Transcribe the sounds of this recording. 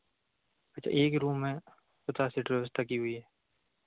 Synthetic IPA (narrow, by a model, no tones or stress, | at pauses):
ɐtːt͡ʃʰa̰ʔeːkɾuːmːẽ | pʊt̪asiʈɾeʋəst̪ʰakiɦʊiɦɛː